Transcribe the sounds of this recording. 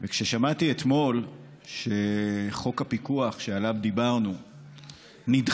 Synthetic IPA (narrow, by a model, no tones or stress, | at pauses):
vekʃeʃamat̪iet̪mo̞l | ʃeχo̞kapikuaχʃealavd̪ibaʁnu | nid